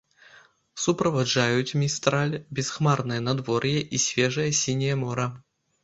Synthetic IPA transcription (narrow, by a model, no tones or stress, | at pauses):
supɾɐvaʐajut̪ʲmʲist̪ɾalʲbʲɪsxmarnɨjɐnɐd̪vɔɾjɛʔisʲvʲɛʐɨjɐsʲinʲijɐmɔɾɐ